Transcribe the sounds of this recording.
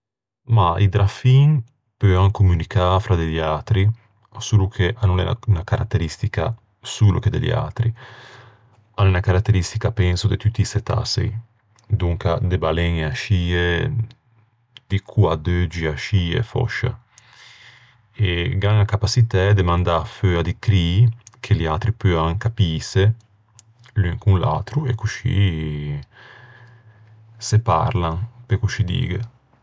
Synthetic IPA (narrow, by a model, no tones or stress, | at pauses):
maid̪ɾafiŋ | pøaŋkumynikafɾad̪eʎjaːt̪ɾi | suːlukʰeʔanːũlɛ̰a̰nakaɾa̰t̪ːeɾist̪ika̰ | suːlṵked̪ḛʎḭa̰t̪ɾi | alɛnakaɾat̪ːeɾist̪ikapɛnsod̪et̪ut̪ːiset̪a̰sḛj | d̪uŋkad̪ebalɛŋeaʃiːe | d̪̥ikʰuad̪ød͡ʒiaʃiːḛfɔ̰ʃa̰ | eɡaŋakapasit̪ɛd̪emãnd̪aføad̪ikɾiːkʰeliat̪ɾipøaŋkapiːse | lyŋkunla̰t̪ɾuekuʃḭ | sepa̰ɾlaŋpekuʃid̪ḭːɡə